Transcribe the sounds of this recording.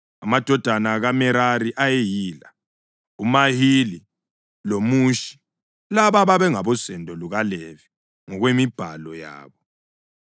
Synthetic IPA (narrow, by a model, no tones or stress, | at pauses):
amad̥ʱɔd̥ʱanaɣamɛɾaɾiʔajejiːla | umahili | lomuʃi̥ | laβaβaβɛŋaβɔsɛndʱɔluɣalevi̥ | ŋɔɣwemib̥ʱalɔja̰ːβɔ